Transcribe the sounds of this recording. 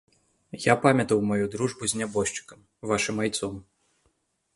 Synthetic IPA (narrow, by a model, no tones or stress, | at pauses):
japamʲɐt̪ɐwmajud̪ɾuʐbuzʲnʲabɔʂt͡ʂɨ̥kɐm | vaʂɨmajt̪sɔm